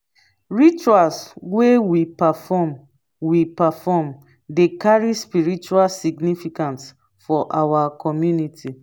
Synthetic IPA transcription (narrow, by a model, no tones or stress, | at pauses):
ɹit͡ʃualswewipafɔm | wipafɔm | dekaɹispiɹit͡ʃualsiɡnifikãnts | fɔʔawakʰɔmjunitʰi